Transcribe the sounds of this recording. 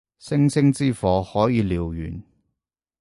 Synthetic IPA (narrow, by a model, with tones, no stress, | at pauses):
sɪ˥ŋsɪ˥ŋt͡siː˥fɔː˨˧hɔː˨˥jiː˨˧liː˨wjy̰ː˨˩n